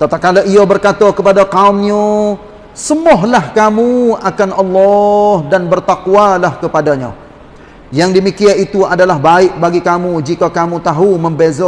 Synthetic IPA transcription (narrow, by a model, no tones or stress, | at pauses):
t̪at̪akːalaʔiabərkat̪akəpadakaumɲə | səmɔɦlahkamuakanʔalːɔhdanbərt̪akualahkəpadaɲã | jaŋdəmikiait̪uadalaɦbaɪʔ̚baɡikamud͡ʒikakamut̪aɦuməmbezɔ